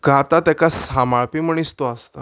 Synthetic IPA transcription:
ɡʱat̪at̪akasamaɭpiməɳ̃ist̪oast̪a̰

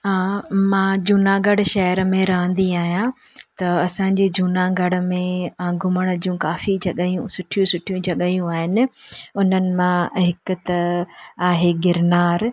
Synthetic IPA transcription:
ãːmãːd͡ʑʱuːnaɡɐɽʃɐɦəɾmẽɾɐɦə̃nd̪iaːɦijã | t̪ɐɐsãːɲ̆d͡ʑed͡ʑʱuːnaɡɐɽ̆mẽɡʱʊməɽ̃ə̆d͡ʑũːkaːfid͡ʑɐɠəjũsʊʈʰijũsʊʈʰijũd͡ʑʱɐɠajũaːɦɪnɪ̆ʊn̤ənɪ̆mãɦɪkʊ̆t̪ɐaːɦeɡɪɾnaːɾ

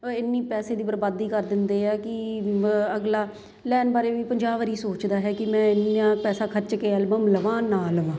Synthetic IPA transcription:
ɪnːiːpɛːseːd̪iːpɾəbaːd̪iːkəɾd̪ɪnd̪eːɛːkɪ | əɡlaː | lɛːnbaːɾeːʋiːpəɲd͡ʒaːʋəɾiːsoːt͡ʃd̪aːɦɛːkɪmɛ̃ːɪnãːpɛːsaːkʰəɾt͡ʃkeːɛlbəmləʋãːnãːləʋãː

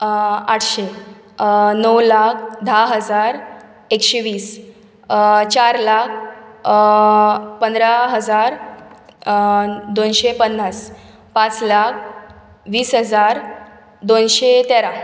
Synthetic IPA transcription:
aʈʰɕe | nəwlakʰd̪ʱaɦəd͡zaɾ | ekɕeʋiːs | t͡ɕaɾlak̚ʰ | pənd̪ɾaɦəd͡zaɾ | d̪onɕepənːas | pãt͡slak̚ʰ | ʋiːsɦəd͡zaɾ | d̪onɕet̪eɾa

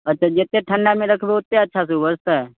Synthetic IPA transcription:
ɐtːʃʰad͡ʒet̪ːeʈʰə̃ɳɖamẽɾəkʰbeʊt̪ːeɐtːʃʰas̬ubəst̪ɦɛ

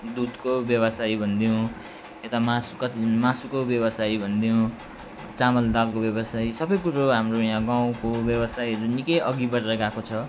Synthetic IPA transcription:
d̪ud̪kobjʌβʌsajbʱʌnd̪iõ | et̪amasukʌt̪imasukobjʌbʌsajbʱʌnd̪ijõ | t͡samʌld̪alkobjʌbʌsajsʌbʌjkuɾoɦamrojãɡaw̃kobjʌbʌsajʌɾunikʌjʔʌɡibʌɾrʌɡakot͡sʰʌ

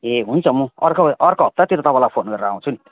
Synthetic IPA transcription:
eɦunt͡sʰʌmũʌ̰rkʰoʌrkoɦʌp̚t̪at̪iɾot̪ʌβalapʰonɡʌɾeɾaaw̃t͡sʰuni

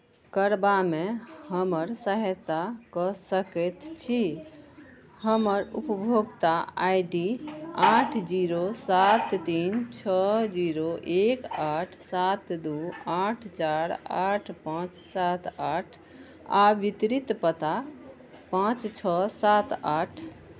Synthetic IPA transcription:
kəɾbamehəməɾsəɦət̪akɔsəkɛt̪t͡ʃʰi | həməɾupəbʱoɡt̪aajɖiaʈʰd͡ʒiɾosat̪ːint͡ʃʰəd͡ʒiɾoʔekaʈʰsat̪d̪uaʈʰt͡ʃaɾaʈʰpãt͡ʃsat̪aʈʰ | a̰ʋit̪ɾit̪pət̪a | pãt͡ʃt͡ʃʰɔsat̪aʈʰ

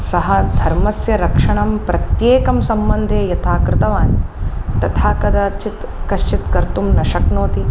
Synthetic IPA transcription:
sɐɦɐd̪ʱɐɾmɐsjɐɾɐkʂɐɳɐmpɾɐt̪jeːkɐmsɐmbɐnd̪ʱeːjɐt̪ʰaːkɾɪt̪ɐʋaːnt̪ɐt̪ʰaːkɐd̪aːt͡ʃit̪ | kɐʃt͡ʃit̪kɐɾt̪umnɐʃɐknoːt̪i

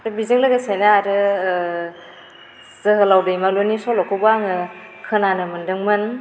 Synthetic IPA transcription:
ɾɯbizɯŋlɯɡasajnaaɾɯ | z̥ɯɦɯlawdɯjmalonisɔlɔkʰɯbaŋɯ | kʰɯnanɯmɯndɯŋmɯn

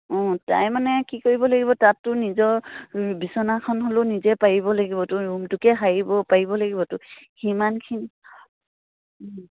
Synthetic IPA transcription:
ɔ̃ta̰jmanɛkikoɹibɔlaɡibɔtatːʊnizɔɹbisɔnakʰɔnɦolonizɛpaɹibɔlaɡibɔtʊɹumtʊkɛɦaɹibɔpaɹibɔlaɡibɔtʊhimankʰini

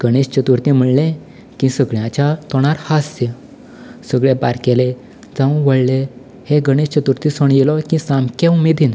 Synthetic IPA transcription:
ɡ̥əɽ̃ist͡ɕət̪uɾt̪ĩm̤əɽlẽ | kĩsəɡɭjãt͡ɕat̪ɔɽ̃aɾhase | səɡɭebaɾkele | d͡zãʋəɭle | heɡəɽ̃ist͡ɕət̪uɾt̪ĩsɔɳjelɔkĩsamkẽwmid̪ʱin

